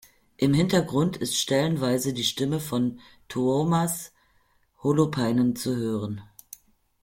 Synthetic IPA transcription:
ʔɪmhɪntɐɡʁʊntʰɪstʃtɛlənvaɪzədiːʃtɪməfɔn | tʰuomas | holopʰaɪnənt͡suhøːʁən

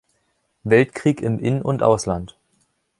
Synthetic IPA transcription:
vɛltkʁ̥iːkɪmʔɪnənʔʊntʔa̰ʊslant

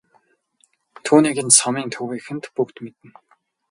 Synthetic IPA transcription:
t̪ʰuːniːɡɘ̆nsɔmiːnt̪ʰɵwiːxɘ̆nt̪pukt̪met̪ɘ̆n

